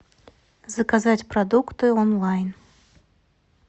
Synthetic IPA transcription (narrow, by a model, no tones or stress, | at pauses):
zɐkazat͡sʲpɾad̪ukt̪ɨɔnlˠajn